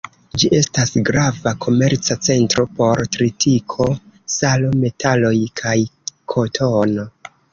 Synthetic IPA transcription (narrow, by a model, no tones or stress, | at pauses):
d͡ʒiʔe̞stasɡɾavakʰo̞me̞ɾt͡sat͡se̞ntɾo̞po̞ɾtɾitʰikʰo̞salome̞tʰalo̞jkʰajkʰo̞tʰo̞no